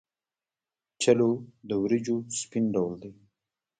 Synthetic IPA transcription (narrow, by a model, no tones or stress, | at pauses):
t͡ʃalod̪əwɾid͡ʒospinɖawld̪e